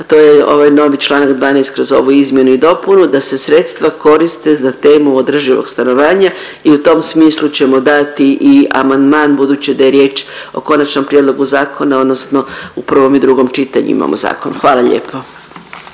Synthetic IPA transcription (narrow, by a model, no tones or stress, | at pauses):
t̪oːjeo̞̰ʋajno̞ʋit͡ʃlˠaːnakd̪ʋaːnejst̪kɾo̞zo̞ʋuizmje̞nuid̪o̞punud̪ase̞sɾe̞t̪st̪ʋako̞ɾist̪e̞zat̪e̞ːmuod̪r̩ʒiʋo̰ɡst̪ano̞ʋaːɲa | iut̪o̞msmiːslˠut͡ɕe̞mo̞d̪at̪iʔia̰mand̪maːnbud̪uːt͡ɕid̪ajeɾje̞ːt͡ʃo̞̰ko̞nat͡ʃnompɾije̞d̪lˠo̞ɡuzaːkʰo̞nao̞d̪no̞sno̞upr̩ʋo̞mid̪ɾuɡo̞mt͡ʃit̪aɲṵḭma̰mʔo̰za̰ːko̞nuxʋaːlaʎḛːpʰo